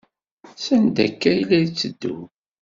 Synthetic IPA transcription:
sænd̪æ̰kːæjilæjt͡sːəd̪ːṵ

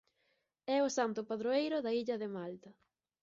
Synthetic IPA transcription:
ɛʊsant̪ʊpaðɾoejɾʊðɐiʎɐðɪmalt̪ɐ

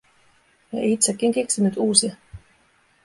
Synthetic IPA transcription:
jɑeit̪sekːiŋkeksinyt̪uːsiɑ

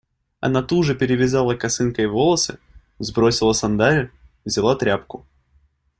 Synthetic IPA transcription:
ɐ̰nat̪uʐɨpʲɪɾʲɪvʲɪzalˠəkɐsɨnkəjvolˠəsɨ̰ | zbɾosʲɪlˠəsɐnd̪aɾʲʊ | vzʲɪlˠat̪ɾʲapkʊ

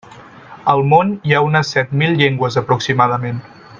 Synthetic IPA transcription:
əlˠmoniaunəsːɛt̪milʎeŋɡwəzəpɾuksimaðəmen

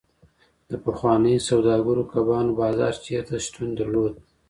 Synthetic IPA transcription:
d̪̥əpəxwɑnəjosawd̪ɑɡəɾokʰabɑnobɑzɑ̰ɾt͡ʃeɾt̪aʃt̪und̪aɾlod̪̚

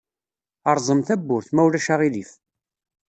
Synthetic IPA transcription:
ɑɾˤzˤəmθæbːʊɾθmæwlæʃaʁilif

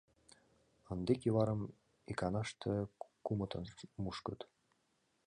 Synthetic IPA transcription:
ə̆nd̪ekiβɑɾəm | ekɑnɑʃt̪ʰəkumɤ̆t̪ʰɤnmuʃkɤ̆t̪

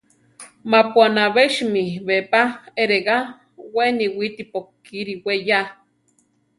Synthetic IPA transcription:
mapwanaβeʃmiβepaeɾeɣa | weniwit̪ipokː | iɾiweja

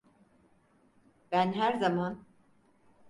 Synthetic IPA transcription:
b̥ænɦæɾzaman

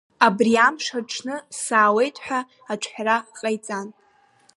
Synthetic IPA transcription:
abriamʂaʈ͡ʂʰnɨsaːwe̞jtʰʼħᶣa | aʈ͡ʂʷʰħʷᶣraqʼajt͡sʼan

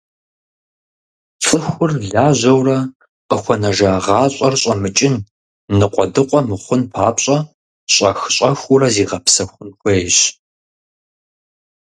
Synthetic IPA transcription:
t͡sʼɨxʷʊrɮaːʑɐwrɐ | qəxʷɐnɐʒaʁɑːɕʼɐrɕʼɐmɨt͡ʃʼɪnː | ɨqʷʼɔdɨqʷʼɔmɨχʷʊnpʰaːpɕʼɐ | ɕʼɐxɕʼɐxʷurɐziːʁɐpsɐxʷʊnxʷejɕ

